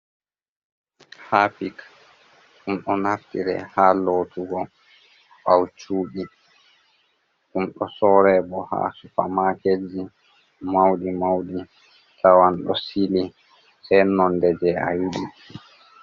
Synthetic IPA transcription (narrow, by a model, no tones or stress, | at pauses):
haːpik | ʔumɗɔnaftiɾɛ̰haːloːtuɡɔ | ʔawt͡ʃuːɗi | ʔumɗɔsɔɾɛːbɔha̰ːsufamaked͡ʒi | mawɗimawɗi | tʰawanɗɔsili | sɛjnɔndɛd͡ʒɛa̰juɗi